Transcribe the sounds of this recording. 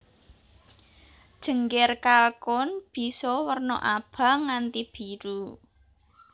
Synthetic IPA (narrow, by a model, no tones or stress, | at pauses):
d̥ʒ̥ə̤ŋɡɪrkalkʊnb̥i̤sɔwərnɔ̰ʔab̥a̤ŋant̪ib̥iɾu